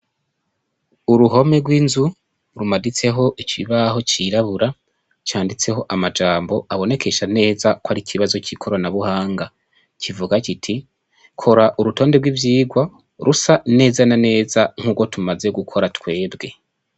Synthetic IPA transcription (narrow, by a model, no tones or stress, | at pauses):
uɾuɦo̞me̞ɡwiːnzu | ɾumadit͡se̞ɦo̞ʔit͡ʃiβaho̞t͡ʃiɾaβuɾa | t͡ʃaːndit͡se̞ɦo̞ʔamad͡ʒaːmbo̞ʔaβo̞ne̞kʰe̞ʃane̞ːzakwaɾicʰiβazo̞cikʰoɾanaβuhaːŋɡa | cʰivuɡakitʰi | kʰo̞ɾaʔuɾuto̞ːndeɾɡwivjiːɡwa | ɾʔusane̞ːzanane̞ːzaŋ̥huːɡwo̞tumaze̞ɡukʰo̞ɾatwe̞ːbɡe̞